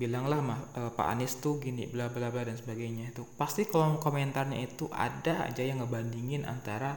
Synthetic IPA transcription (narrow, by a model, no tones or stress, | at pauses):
bilaŋlahmahəpa̰ʔa̰nɪst̪uhɡinḭblablabladansəbaɡajɲait̪upast̪ikaloŋkomɛnt̪arɲa̰it̪uʔa̰daa̰d͡ʒajaŋːəbandiŋɪna̰nt̪aɾa